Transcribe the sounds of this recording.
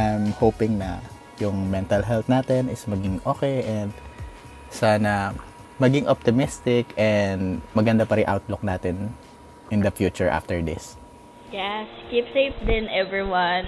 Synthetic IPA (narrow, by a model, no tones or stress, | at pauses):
ʔajmhowpɪŋnɐ | jʊŋmɛnt̪ɐlɦɛlt̪naːt̪ɛnɪsmɐɡɪŋʔoːkɛjʔɛnd̪̚ | sanɐ | mɐɡɪŋʔop̚t̪ɪmɪst̪ɪkʔɛnd̪mɐɡɐnd̪ɐpɐɾɪŋʔa̰wt̪lʊk̚naːt̪ɛn | ʔɪnd̪ɐfjuːt͡ʃʊɹʔa̰ft̪ɛɹd̪ɪ̰s | jɛskipseɪfd̪ɪ̃nɛvɹiwɐn